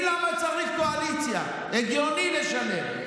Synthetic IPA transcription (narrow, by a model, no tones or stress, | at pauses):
lamat͡saʁikkoalit͡sja̰ | eɡjonileʃane